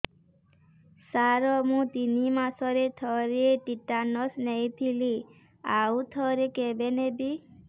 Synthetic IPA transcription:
saɾɔmũt̪inimasɔɾet̪ʰɔɾeʈiʈanɔsnejt̪ʰili | aut̪ʰɔɾekebenebi

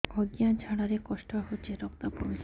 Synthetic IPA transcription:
ɔɡjand͡ʑʱaɽaɾekɔʃʈɔɦot͡ɕʰeɾɔkt̪apomi

